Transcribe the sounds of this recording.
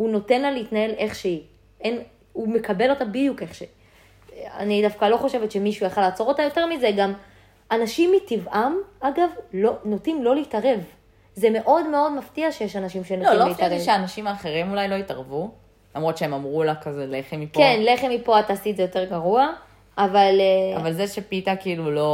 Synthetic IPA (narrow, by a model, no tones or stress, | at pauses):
uno̞tenlaleitnae̞lʔe̞χʃei | en | ume̞kabe̞lo̞tabidjuke̞χʃe | a̰nidafkalo̞χo̞ʃe̞vet̪ʃe̞miʃujaχalaːt͡so̞ʁo̞tajo̞te̞ʁmize̞ɡam | anaʃimːitivʔamaɡavlono̞timlo̞leitaʁe̞v | zeme̞ʔo̞dme̞o̞dmaftiaʃejeʃanaʃimʃenotleitaʁeʃeaːnaʃimaːχe̞ʁimulajlo̞itaʁvu | lamʁo̞t̪t͡ʃeemamʁulakazeleχemipkenle̞χe̞mipo̞ataːsitzejo̞te̞ʁɡaʁua | ʔːvalavalzeʃepitakilulo̞